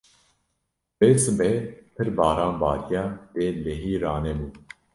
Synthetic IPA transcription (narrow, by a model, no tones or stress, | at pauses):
b̥eːsɨbɛpʰɨɾbɑːɾɑ̃ːnbɑːɾjɑːd̪eːleɦiːɾaːnɛbuː